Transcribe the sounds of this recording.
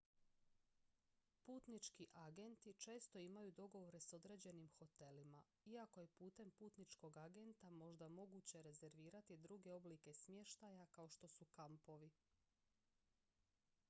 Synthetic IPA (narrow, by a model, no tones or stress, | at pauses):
puːt̪nit͡ʃkiʔaɡe̞nt̪it͡ʃe̞ːst̪o̞imajud̪o̞ɡo̞ʋo̞ɾe̞so̞d̪ɾe̞ːd͡ʑe̞nimxo̞t̪e̞lima | iako̞je̞puːt̪e̞mpuːt̪nit͡ʃko̞ɡaɡe̞nt̪amo̞ʒd̪amo̞ɡut͡ɕe̞ɾe̞ze̞ɾʋiːɾat̪id̪ɾuɡe̞o̞blike̞smje̞ʃt̪ajakao̞ʃt̪o̞sukampo̞ʋi